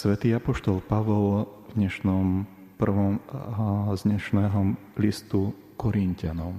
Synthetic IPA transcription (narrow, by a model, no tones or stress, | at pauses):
sʋɛt̪iːapɔʃt̪ɔlpaʋɔlvɲɛʃnɔm | pr̩ʋɔm | zɲɛʃnɛːɦɔlist̪u | kɔɾincanɔm